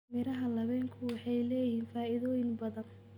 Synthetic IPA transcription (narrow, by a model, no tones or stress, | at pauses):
mɪɾɐɦɐlɐβɛːŋkʰʊwɑħɑjlɛːjɪhiːnfaːɪðɔːjɪŋbɐðɐn